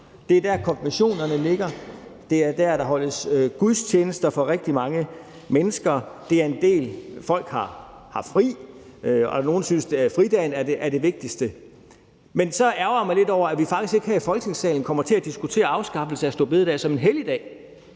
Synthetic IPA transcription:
d̥e̝d̥æɐ̰kʰɒ̽nb̥imæɕo̝̰ːnɐnəle̝ɡ̥ɐd̥e̝æɐd̥æɐd̥ɑ̈ɦɒ̽l̰əsɡ̥uðˠst͡ɕʰeːnəsd̥ɐfɒ̽ʁeɡ̥̚d̥imɑ̈ŋə | menəsɡ̥ɐd̥e̝æɐe̝nd̥e̝̰ːlfɒ̽l̰ɡ̥hɑ̈hɑ̈fʁḭː | ɒno̝ːnsynsd̥efʁid̥ɛnæɐdeʔæɐde̝ʋe̝ɡ̥̚d̥isd̥ə | mensɒ̽ʔæɐɐmɑle̝d̥ɒʊ̰ɐæʋifɑ̈ɡ̥isɡe̝ɡ̥hæɐifɒ̽lɡ̥ə̥ne̝ŋsɛ̰ːln̩kʰɒ̽mɐt͡sʰe̝æd̥isɡ̥ut͡sʰe̝̰ːɐɑ̈ʊsɡ̥ɑ̈b̥l̩səæsd̥ɔ̰̽ːb̥eðˠd̥ɛ̰sɒ̽me̝nɦelid̥ɛ̰ː

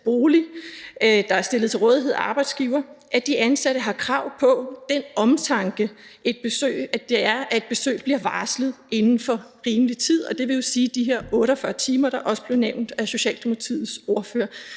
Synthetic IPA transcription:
b̥o̝ːli | d̥ɑ̈æɐsd̥e̝lð̩ˠt͡sʰe̝lʁɔ̽ːðˠɦe̝ð̰ˠɑ̈ːb̥ɑ̈ɪd̥sɡ̥iʊɐʔæd̥iʔænsæɾ̥əɦɑ̈kʰʁɑ̈ʊ̰pʰɒ̽d̥enɒ̽mt͡sʰɑ̈ŋɡ̥əʔe̝d̥̚b̥e̝sø̰ːɪæd̥e̝æɐʔæe̝d̥̚b̥e̝sø̰ːb̥liɐʋɑ̈ːsləð̩ˠʔe̝nn̩fɒ̽ʁiːmlit͡sʰið̞̰ˠɒ̽d̥e̝ʋe̝jo̝siːd̥iɦe̝ɐ̰ɔ̽ːɾɒfɶɐt͡sʰiːmɐɾ̥ɑ̈ʔɒ̽səb̥le̝ʊneʊ̰nd̥æɐso̝ɕɛ̰ːld̥ʰemt͡sʰið̰̩ˠso̝ɐfø̰ɐ

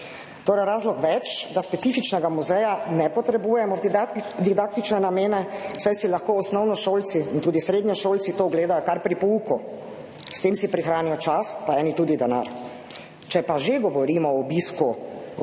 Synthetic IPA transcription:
t̪oːɾɛɾaːzlɔkʋɛt͡ʃd̪aspɛt̪siːfit͡ʃnɛɡamuzɛjanɛpɔt̪ɾɛbuːjɛmɔd̪id̪ak̚t̪it͡ʃnɛnameːnɛwsajsilaxkoːɔsnɔwnɔʃoːlt̪siːnt̪uːd̪isɾeːd̪ɲɔʃoːlt̪sit̪oːɡleːd̪ajɔkaɾpɾipɔuku | st̪eːmsipɾixɾaːnijɔt͡ʃaspaɛːnit̪uːd̪id̪ɛna̰ɾ | t͡ʃɛpaʒeɡɔʋɔɾiːmɔɔbiːsku

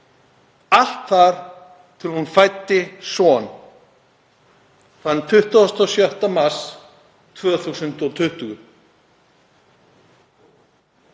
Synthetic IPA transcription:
al̥t̪θaɾ̥ | t̪ʰɪlhunfajt̪ːɪsɔn | θant̪ʰʏht̪aɔst̪ɔsjœht̪amas | t̪ʰvœːθusʏnt̪ɔt̪ʰʏht̪ʏɣʏ

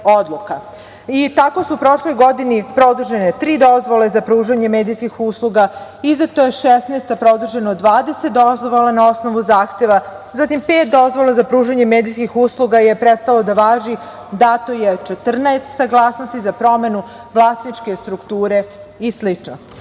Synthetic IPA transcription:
od̪lˠuka | it̪ako̞suupɾo̞ʃlo̞jɡo̞d̪inipɾo̞d̪uʒenet̪ɾiːd̪o̞zʋo̞lˠezapɾuːʒaɲe̞meːd̪ijskixuːslˠuɡa | izat̪oːjeʃesnest̪apɾo̞d̪uʒenod̪ʋaːd̪eset̪̚d̪o̞zʋolˠanao̞sno̞ʋuzaːxt̪e̞ʋa | zat̪impeːt̪̚d̪o̞zʋolˠazapɾuːʒaɲe̞meːd̪ijskixuːsluɡaje̞pɾet̪st̪alo̞d̪aʋaːʒi | d̪at̪ojet͡ʃet̪r̩naest̪saɡlˠaːsnost̪izapɾo̞me̞nu | ʋlˠaːsnit͡ʃke̞st̪ɾukt̪uːɾe̞islit͡ʃno

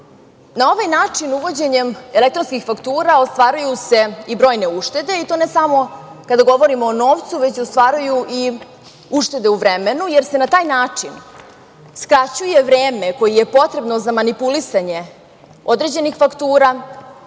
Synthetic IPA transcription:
nao̞ʋajnaːt͡ʂinuʋo̞d͡ʑe̞ɲemelek̚t̪ɾonskixfakt̪uːɾaost̪ʋaːɾujuse̞ibɾo̞ːjne̞uʃt̪e̞d̪e̞it̪o̞nesamo̞ | kad̪aɡo̞ʋo̞ɾimoːno̞ːʋt̪suʋet͡ɕost̪ʋaːɾujuʔi | uʂt̪e̞d̪e̞uʋɾemenujeɾse̞nat̪aːjnaːt͡ʂin | skɾat͡ɕuje̞ʋɾeːme̞ko̞jijepo̞t̪ɾe̞bno̞zamanipulisaɲe̞ | o̞d̪ɾe̞d͡ʑe̞nixfakt̪uːɾaː

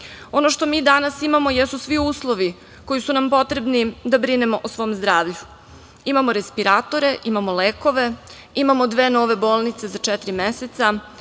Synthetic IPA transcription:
o̞noʃt̪o̞miːd̪anasimamo̞jesusʋiuːslˠo̞ʋi | ko̞jisunampo̞t̪ɾe̞bnid̪abɾine̞mo̞ʔosʋo̞ːmzd̪ɾaːʋʎu | imamoɾespiɾaːt̪o̞ɾe̞ʔimamoleːko̞ʋe̞ | imamod̪ʋeːno̞ːʋe̞bo̞ːlˠnit̪se̞zat͡ʃɛt̪ɾimeset̪sa

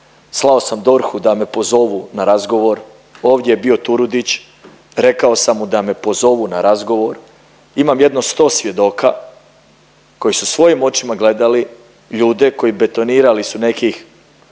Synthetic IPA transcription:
slˠao̞samd̪o̞ɾxud̪ame̞po̞zo̞ʋunaɾazɡo̞ʋo̞ɾ | o̞ːʋd̪jejebio̞t̪uɾud̪it͡ɕ | ɾe̞kao̞samːud̪ame̞po̞zo̞ʋunaɾʔazɡo̞ʋo̞ɾ | imamje̞d̪no̞st̪o̞ːsʋʲje̞d̪o̞ːka̰ | ko̞jisusʋo̞jimo̞t͡ʃimaɡle̞d̪ali | ʎuːd̪e̞ko̞jibe̞t̪o̞niːɾalisune̞kix

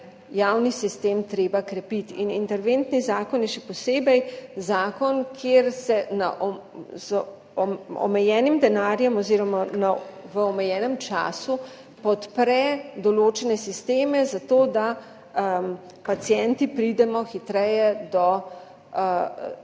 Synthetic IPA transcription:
jawnisist̪eːmt̪ɾeːbakɾɛpit̪inint̪ɛɾʋent̪nizaːkɔnjɛʃɛpɔseːbɛjzaːkɔnkʰeːɾsɛnaʔ | z | ɔ̰mɛjɛːnimd̪ɛnaːɾjɛmɔziːɾɔmanaʋəɔmɛjɛːnəmt͡ʃa̰ːsu | pɔt̪pɾɛd̪ɔloːt͡ʃɛnɛsist̪eːmɛzat̪oːd̪a | pat̪sjɛnt̪ipɾid̪ɛmɔxit̪ɾɛjɛd̪ɔ

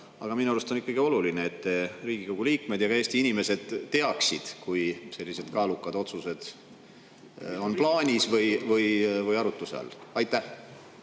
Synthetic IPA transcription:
ɑ̰ɡ̥ɑminuɑlust̪o̞nikːɑɡ̥io̞lulineːt̪ːeriːɡ̥ikoɡ̥uliːkmed̪̥jɑɡɑe̞ːst̪iinime̞se̞d̪̥t̪ːe̞ɑksid̪̥kujse̞lʲːise̞d̪̥kɑːlukːˑɑd̪̥o̞t̪suse̞d̪̥ | o̞nplɑːnʲisvɯjvɯjvɯjɑɾut̪ːˑuseɑ̰lɑjt̪ˑːæh

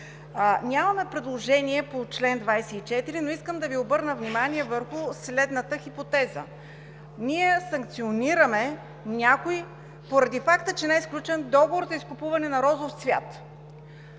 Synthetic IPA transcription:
nʲaməmɛpɾɛd̪lˠoʒɛniɛpot͡ʃlɛnd̪vajsɛit͡ʃɛt̪iɾinoiskəmd̪ɐviobɤɾnəvnʲimaniɛvəɾxʊslɛd̪nət̪əxipot̪ɛzə̰ | niɛsɐŋk̚t̪sioniɾəmɛ | nʲakoi | poɾɐd̪ifakt̪ət͡ʃɛnɛsklʲut͡ʃɛnd̪ɔɡovoɾzɐiskʊpuvɐnɛnɐɾɔzofsvʲja̰t̪

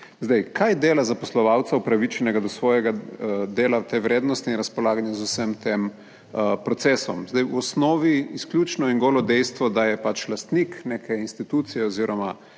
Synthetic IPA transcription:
zd̪ɛjkʰajd̪eːlazapɔslɔʋawt̪saupɾaʋit͡ʃɛnɛɡad̪ɔsʋɔːjɛɡad̪eːlat̪eʋɾeːd̪nɔst̪inɾɐspɔlaːɡanjɛzusəmt̪em | pɾɔt̪sesɔmzd̪ɛjwɔsnɔːʋiːsklʲuːt͡ʃnɔiŋɡoːlɔd̪ɛjst̪ʋɔd̪ajɛpat͡ʃlast̪nikneːkʰɛinst̪it̪uːt̪sijɛɔziːɾɔma

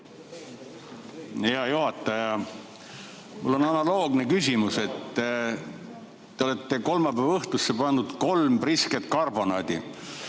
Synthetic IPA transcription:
iɑjuɦɑt̪ːˑɑjɑ | mulːo̞nɑnɑlo̞ːɡnekys̬ʲimuse̞t̪ː | eo̞le̞t̪ːeko̞lmɑpævɤht̪usːepɑnːud̪̥ko̞lmrisket̪ˑkɑrbo̞nɑːd̪̥ḭ

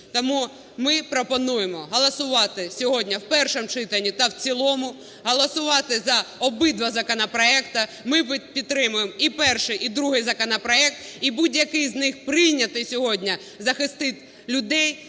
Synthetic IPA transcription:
t̪ɔmu | mɪpɾɔpɔnujemɔɦɔlˠɐsʊʋɑt̪ɪsʲɔɦɔdʲnʲɐwpɛrʃɔmt͡ʃɪt̪ɐnʲːit̪ɐwt͡sʲilˠɔmʊ | ɦɔlˠɔsʊʋɑt̪ɪzɐɔbɪd̪ʋɐzɐkɔnɐpɾɔɛkt̪ɐ | mɪpʲit̪t̪ːɾɪmʊjemipɛrʃɪjʔid̪ɾuɦɪjzɐkɔnɐpɾɔɛk̚t̪ibudʲjɐkɪjznɪxpɾɪjnʲːɐt̪ɪjsʲɔɦɔdʲnʲɐ | zɐxɪst̪ɪt̪ʲ | lʲʊd̪ɛj

